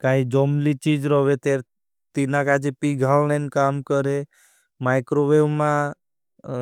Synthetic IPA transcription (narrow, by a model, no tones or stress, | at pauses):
kaːid͡ʒɔmlit͡ʃiːd͡ʒɾɔʋet̪eɾ | t̪inakad͡ʒepiɡʱalnenkaːmkəɾe | maɪkɾoʋeʋmã